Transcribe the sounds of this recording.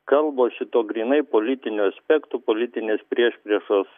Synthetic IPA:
kɐlˠboːʃʲɪt̪oːɡɾʲiːnɐɪpoːlʲɪt̪ʲɪnʲʊɐsʲpʲɛkt̪ʊpoːlʲɪt̪ʲɪnʲeːspʲɾʲiɛʃʲpʲɾʲiɛʃoːs

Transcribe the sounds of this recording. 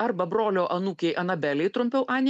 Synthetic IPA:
ɐɾbɐbɾoːlʲoːʔɐnuːkʲɛɪʔɐnɐbʲælʲɛɪt̪ɾʊmʲpʲɛʊʔɑːnʲ

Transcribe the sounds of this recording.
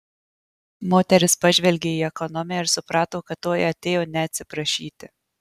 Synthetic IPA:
moːt̪ʲɛɾʲɪspɑʒʲʋʲɛlʲɡʲeːiːɛkɔnɔmʲɪjɛɪɾsʊpɾɑːt̪oːkɐt̪ːoːjɐt̪ʲeːjoːnʲɛɐt̪ʲsʲɪpɾɐʃʲiːt̪ʲɪ

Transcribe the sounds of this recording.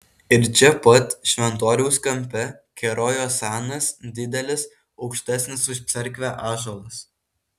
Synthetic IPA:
ɪɾt͡ʃʲɛpɐt̪ʲʃʲʋʲɛnt̪oːɾʲuʊskɐmʲpʲɛkʲɛɾoːjoːsɑːnɐsd̪ʲɪd̪ʲɛlʲɪs | ɒʊkʃʲt̪ʲæːsʲnʲɪsʊʃʲt̪sʲɛɾʲkʋʲæʔɑːʒoːlˠɐs

